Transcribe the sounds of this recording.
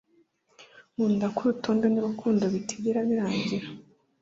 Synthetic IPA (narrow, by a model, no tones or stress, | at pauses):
muːndakuɾuto̞ːndeniβukʰuːndoβitʰi̥ɡiɾaβiɾaːɲɟiɾa